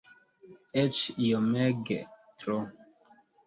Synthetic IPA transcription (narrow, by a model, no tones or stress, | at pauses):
ɛt͡ʃjomɛɡɛ̰t̪ɾo